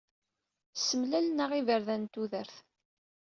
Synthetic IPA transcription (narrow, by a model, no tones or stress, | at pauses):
səmlælnəʁivəɾðænt̪uðəɾθ